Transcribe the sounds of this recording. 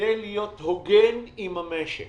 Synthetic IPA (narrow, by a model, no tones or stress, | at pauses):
elijot̪hoɡenimamɛʃḛ